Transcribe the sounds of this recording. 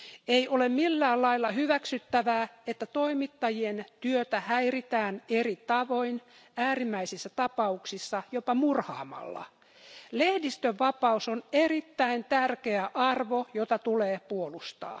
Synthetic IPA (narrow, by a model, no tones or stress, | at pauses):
eiʔolemmilːæːlɑilːɑhyʋæksyt̪ːæʋæːet̪ːæt̪oimit̪ːɑjient̪yøt̪æhæirit̪æːnerit̪ɑʋoin | æːrimːæisisːæt̪ɑpɑuksisːɑjopɑmurhɑ̰ːmɑ̰lːɑ̰ | lehdist̪øʋːɑpɑusoneɾit̪ːæint̪ærkeæʔɑrʋojot̪ɑt̪uleːpuolust̪ɑ̰ː